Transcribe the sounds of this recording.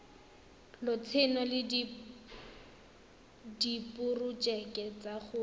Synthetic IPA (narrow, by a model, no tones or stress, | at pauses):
lʊt͡sʰɪnɔlɪd | dipʼʊrʊt͡ʃʼɛkʼɛt͡saχʊ